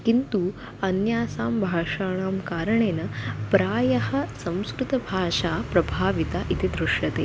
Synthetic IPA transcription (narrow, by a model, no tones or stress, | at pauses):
kint̪u | ɐnjaːsaːmbʱaːʂaːɳaːmkaːɾɐɳeːnɐpɾaːjɐɦɐ̆sɐ̃m̃skɾut̪ɐbʱaːʂaːpɾɐbʱaːʋit̪aʔit̪id̪ɾuʂjɐt̪eː